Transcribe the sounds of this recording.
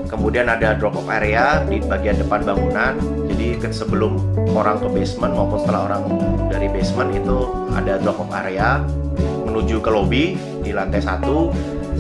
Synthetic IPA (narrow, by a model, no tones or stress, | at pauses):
kəmudianadadɾɔkɔpaɾeadibaɡiandəpanbaŋunan | d͡ʒadisəbəlʊmoɾaŋk̪ubesmənmaupʊnsə̥t̪əlaɦoɾaŋdaɾibesmənɡit̪u | a̰dadɾɔkɔpa̰ɾea | mənud͡ʒukəlobi | dilant̪ɛsa̰t̪u